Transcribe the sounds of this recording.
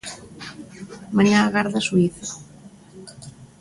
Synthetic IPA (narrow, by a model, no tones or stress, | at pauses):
mãɲaːɣaɾðasuiθa